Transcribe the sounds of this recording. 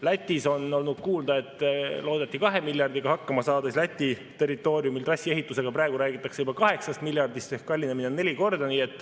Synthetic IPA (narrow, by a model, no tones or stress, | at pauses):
læt̪ʲːˑiso̞no̞lnud̪̥kuːld̪ɑe̞t̪ːlo̞ːd̪et̪ːˑikɑɦe̞milʲjɑrd̪̥iɡ̥ɑhɑkːɑmɑsɑːd̪̥esʲlæt̪ʲːit̪e̞rit̪ːˑo̞ːɾjumilt̪rɑsʲːie̞ɦit̪ːˑuse̞ɡ̥ɑpɾæːeɡ̥uɾæːɡit̪ːˑɑkse̞ubɑkɑɦe̞ksɑst̪milʲjɑrd̪ist̪ehkkːɑlʲːineminene̞lʲiko̞rd̪̥ɑniːe̞t̪ːˑ